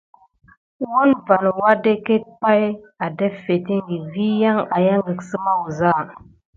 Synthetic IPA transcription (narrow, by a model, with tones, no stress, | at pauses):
wo˦nva˨nwa˦de˦ke˦t̚pa˦j | a˨dɛ˦fe˨ti˦ŋɡi˨vi˦ja˦ŋa˨ja˦ŋɡi˨ksə˦ma˦wu˨za˦˨